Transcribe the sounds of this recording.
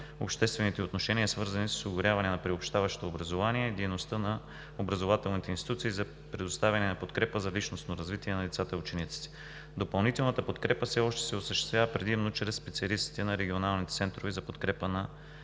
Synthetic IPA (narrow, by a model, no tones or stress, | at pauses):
opʃt̪ɛst̪vɛnit̪ɛot̪noʃɛniɛsvɤɾzɐnissoɡʊɾjavɐnɛnɐpɾiopʃt̪avɐʃo̥t̪oːbɾɐzovaniɛid̪ɛjnost̪ənɐ | obɾɐzovat̪ɛlˠnit̪ɛinst̪it̪ut̪siːzɐ | pɾɛd̪ost̪avʲɐnɛnɐpot̪kɾɛpəzɐlit͡ʃnosnoɾɐzvit̪iɛnɐlit̪sat̪əut͡ʃɛnit̪si̥t̪ɛ̥ | d̪opɐlˠnit̪ɛlˠnɐt̪əpot̪kɾɛpəfsɛɔʃt̪ɛ̥sɛosəʃt̪ɛst̪vʲjavəpɾɛd̪imnot͡ʃɾɛsːpɛt̪sʲiɐlist̪i̥t̪ɛnɐɾɛɡionalˠnit̪ɛt̪sɛnt̪ɾovizɐpot̪kɾɛpənɐ